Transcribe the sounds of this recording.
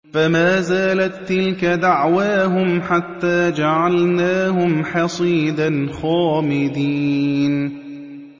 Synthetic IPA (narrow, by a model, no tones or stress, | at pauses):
famaːzaːlat̪ːɪlkad̪aʕwaːɦʊmħat̪ːaːd͡ʒaʕalnaːɦʊmħɑsˤiːd̪anxaːmɪd̪iːn